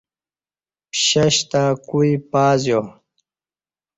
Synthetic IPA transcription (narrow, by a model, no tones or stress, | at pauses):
pɕɐɕt̪akuipaːzjo